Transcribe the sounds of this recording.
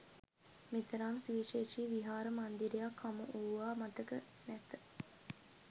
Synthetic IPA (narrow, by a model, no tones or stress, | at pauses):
mit̪əɾaːmsiʋiʃeːʃiːʋiɦaːɾəmand̪iɾejakʰːamə̰ʔuːaːmɐt̪əkə | næt̪ə